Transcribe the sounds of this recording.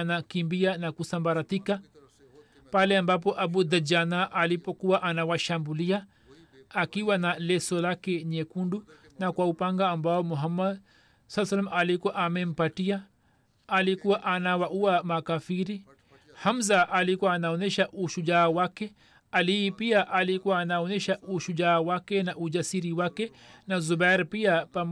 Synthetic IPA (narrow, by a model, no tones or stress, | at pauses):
nakimbianakusambaɾatika | palɛambap̬ɔʔabud̪ad͡ʒanaʔalipɔkuwaʔanawaʃambuliaː | kiwanalɛsɔlakɛɲɛkundu | nakwaupaŋɡaːmbaɔmuɦamad | salaːs̬alamalikwɔʔamɛm̩patiaː | likuwaʔanawauamakafiɾi | hamzaʔalikuwaːnaɔnɛʃaʔuʃud͡ʒaːwakɛ | alipiaʔalikuwaːnaɔnɛʃaʔuʃud͡ʒaːwakɛnaʔuʄasiɾiwakɛ | nazubaɾpiapam